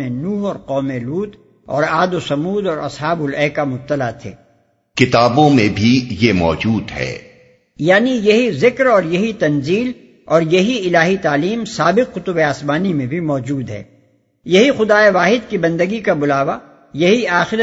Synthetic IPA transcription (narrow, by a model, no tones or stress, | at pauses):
ẽnuːɦɔːɾqɔːmeluːt̪ | ɔ̰ːɾaːd̪osɐmuːd̪ɔːɾɐ̰sɦaːbʊlɛːkamʊb̚t̪ːəlat̪ʰḛː | kɪt̪aːbõmẽbʱijemɔːd͡ʒuːd̪ɦɛ̰ː | jaːnijɐɦizɪkɾɔːɾjɐɦit̪ɐnziːl | ɔːɾjɐɦiɪlaːɦit̪aːliːmsaːbɪqːʊt̪ʊbeaːsmaːnimẽbʱimɔːd͡ʒuːd̪ɦɛ̰ː | jɐɦixʊd̪aːeʋaːɦɪd̪kibɐ̃nd̪əɡikabʊlaːʋa | jɐɦiaːxɪɾə